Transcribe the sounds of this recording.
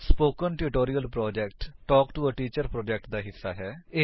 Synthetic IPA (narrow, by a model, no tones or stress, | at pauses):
spoːkənʈuʈoːɾijəlpɾɔːd͡ʒɛːkʈʈɔːkʈuəʈiːt͡ʃəɾpɾɔːd͡ʒɛk̚ʈd̪aːɦɪsːaːɦɛː